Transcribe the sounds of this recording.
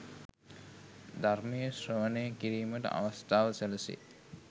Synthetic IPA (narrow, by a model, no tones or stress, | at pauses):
d̪aɾmijəsɾoʋɐnejəkiɾiːməʈa̰ʋɐst̪aːʋselɐsḭ